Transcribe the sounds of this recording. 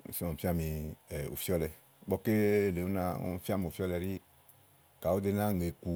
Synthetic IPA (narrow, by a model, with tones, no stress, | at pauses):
si˦ɔ˨fi˦a˦mĩ˧ɛ˨ṵ˨fi˦ɔ˦lɛ˨ | bɔ˦ke˦˨le˨u˦na˦˧ɔ̰˦m˦˨fi˦a˦mi˨fi˦ɔ˦lɛ˧ɾi˦ | ka˨wo˦de˧nã˦˨ŋ˨e˨ku˧